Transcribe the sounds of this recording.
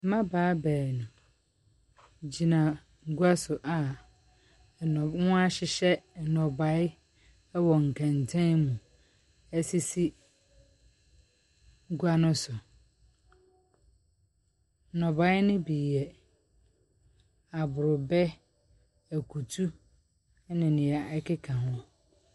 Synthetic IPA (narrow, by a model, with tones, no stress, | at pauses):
mã˦baː˨˦bɛː˨nũ˨ | d͡ʑi˨nã˨ | ŋ̩˦˨ɡu˦a˦sʊ˨ʔa˨ | nɔ̃˨˦ŋʊ̃˦a˦ɕɪ˨ɕɛ˦˨nɔ̃˨ba˨˦ɪ˦ | wɔ˨ŋ̩˨kʰɛ̃˨n˨tʰɛ̃˦mũ˨ | ɛ˦si˦si˦ | ŋ̩˦ɡu˦a˦nʊ̃˦sʊ˨ | nɔ̃˨ba˨˦ɪ˦nɪ̃˦bi˨ɛ˨ | a˨bʊ˨ɾʊ˨bɛ˦ | æ˨kʰu˨tʰu˦ | nɪ̃˨nɪ̃˨ɛ˨ɛ˦kʰɪ˦kʰã˨nɔ̃˦